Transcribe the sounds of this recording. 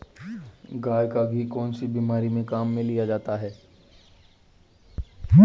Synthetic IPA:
ɡaːjkaɡʱikɔːnsibiːmaːɾimẽkaːmːẽlijad͡ʒaːt̪aɦɛː

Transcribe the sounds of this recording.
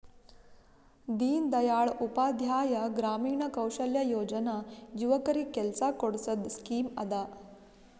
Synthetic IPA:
d̪iːnd̪ɐjaːɭupaːd̪ʱjaːjɐɡɾaːmiːɳɐkɐwɕəljɐjoːd͡ʒənajuʋəkəɾikːɛlsakoɽsəd̪skiːmɐ̰d̪a

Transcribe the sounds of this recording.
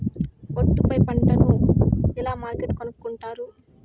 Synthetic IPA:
oʈːupɐjpɐɳʈɐnuɛlaːmaːɾkeʈkonukːuɳʈaːɾu

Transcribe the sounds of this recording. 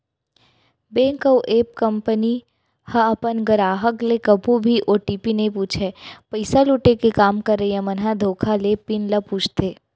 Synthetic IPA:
bẽːŋkəwʔeːp̚kɐ̃mpəni | hɐɐpənɡəɾaːɦəklekɐbʱũbʱiʔoːʈiːpinepuːt͡ʃʰepəɪsaluʈekekaːmkɐɾːəiɛ̃mɐnɦad̪ʱoːkʰalepɪnləpuːt͡ʃʰt̪ʰeː

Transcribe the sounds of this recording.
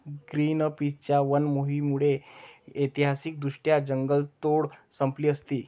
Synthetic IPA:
ɡɾiːnpit͡ɕjaʋənmoɦimuɽeet̪iɦasik̚d̪uʂʈjad͡ʑəŋɡəlt̪oɽsəmpliːəst̪iː

